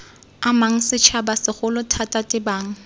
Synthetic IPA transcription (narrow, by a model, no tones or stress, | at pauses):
amaŋ̩sɪt͡ʃʰabasɪχʊlʊtʰatʼatʼɪbaːŋ̩